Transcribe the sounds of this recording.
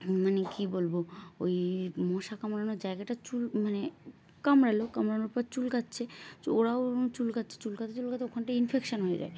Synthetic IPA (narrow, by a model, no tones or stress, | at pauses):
manekibolboojmɔʃakamɾanoɾd͡ʑaeɡaʈat͡ɕulmane | kamɾalokamɾanoɾpɔɾt͡ɕulkatːɕʰeoɾaot͡ɕulkat̪ːɕʰe̥t͡ɕulkat̪ʰat͡ɕulkaeokʰanʈainfʰekʃonɦojed͡ʑa̰e